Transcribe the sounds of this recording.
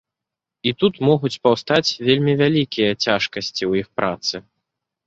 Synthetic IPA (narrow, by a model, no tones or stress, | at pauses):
it̪ut̪mɔɣut͡sʲpawst̪at͡sʲvʲelʲmʲivʲalʲikʲijɐt͡sʲaʂkɐsʲt͡sʲiwjixpɾʔat̪sɨ